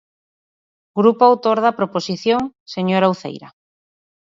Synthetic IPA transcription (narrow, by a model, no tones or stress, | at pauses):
ɡɾupoawt̪oɾðapɾoposiθjoŋseɲoɾawθḛjɾa